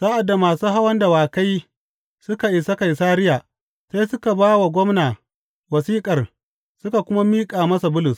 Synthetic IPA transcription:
saː˦ʔa˨dːa˨maː˨suː˦ɦa˦wɐ˦nda˨waː˨ka˦j | sʊ˦ka˨ʔɪ˨sɐ˦ka˨jsaː˦ɾɪ˦jaː˨ | sa˦sʊ˦ka˨baː˦wa˨ɡʷɔ˦mnaː˨ | wɐ˨siː˦kʼɐ˨r | sʊ˦ka˨kʷʊ˦ma˦miː˦kʼaː˨mɐ˦sa˨bʊ˦lʊ˨s

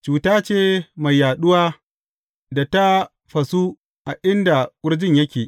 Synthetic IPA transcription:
t͡ʃuː˨taː˦t͡ʃeː˦˨ma˨jːaː˨ɗʊ˦waː˦ | da˨ta˦ | ɸɐ˨su˦ | ʔa˨ʔɪ˦nda˨wʷʊ˦ɽd͡ʒɪ˦ɲjɐ˦kʲeː˨ʔ

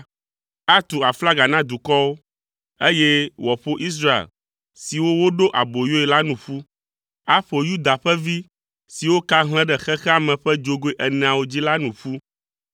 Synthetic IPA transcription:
a˦t̪u˨a˨fla˦ɡa˨nã˦d̪u˨kɔ˦wo˦ | e˦jɛ˦wɔ˨ɸo˦ʔi˦s̬ɾa˦ḛ˨l | si˨wo˦wo˦ɖo˦ʔa˨bo˨jo˦ɛ˨la˦nũ˨ɸu˦ | a˦ɸo˨ju˦d̪a˨ɸɛ˦vi˦ | si˨wo˦ka˦ɦl̃ɛ̃˦ɖɛ˨xɛ˦xɛ˦a˨mɛ̃˨ɸɛ˦d͡ʒo˦ɡo˦e˦ʔɛ˨nɛ̃˨a˨wo˦d͡ʑi˦la˦nũ˨ɸu˦

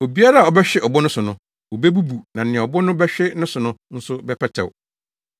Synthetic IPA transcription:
o˨bi˦a˦ɾa˦a˨ɔ˨bɛ˦ɕᶣɪ˦ɔ˨bʊ˦nʊ̃˦sʊ˨nʊ̃˦ | o˨be˦bu˦bu˨nã˨n˨ɪ̃˨ɛ̃˨ɔ˨bɔ˦nʊ̃˦bɛ˦ɕᶣɪ˦nʊ̃˦sʊ˨nʊ̃˦n̩˦sʊ˦bɛ˦pʰɛ˦tʰɛ̰˨w

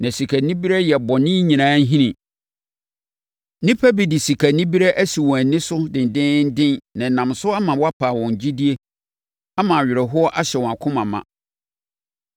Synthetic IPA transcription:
nã˨si˨kʰæ˨nĩ˦bi˦ɾɛ˦jɛ˨bɔ˨nɪ̃˦ɲĩ˨nãː˦n˦ɦĩ˦nĩ˨ | nɪ̃˦pʰæ˦bi˨dɪ˨si˨kʰæ˨nĩ˦bi˦ɾɛ˦ʔæ˦si˨wɔ̃˨æ˨nɪ̃˦sʊ˦dɪ̃˨n̩˨dɪ̃˦n̩˦dɪ̃˦nnã˨n̩˨nã˨msʊ˦a˦mã˨wɔ˦a˦pʰaː˨wɔ̃˨ɲ˨d͡ʑi˦di˦e˦ | a˦mã˨a˨ɥɪ˨ɾɛ˨ɦʊ˦ɔ˦ʔa˦ɕɛ˨wɔ̃˨a˨kʰʊ̃˦mã˨mã̰˨

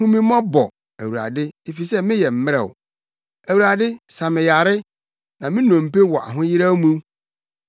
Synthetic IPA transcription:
ũ˦mĩ˦mɔ̃˦bɔ˨ | æ˨wu˨ɾa̰˨dɪ˦e˨fi˨sɛ˦mɪ̃˦jɛ˨m̩˦mɪ̃˦ɾɛ̰˨ʊ̰˨ | æ˨wu˨ɾa˨dɪ˦sa˨mɪ̃˨ja˨ɾɪ˦ | nã˨mɪ̃˦nɔ̃˨m̩˨pe˦wɔ˨ʔa̰˨ɦʊ̃˦jɪ˦ɾa˦mũ˦

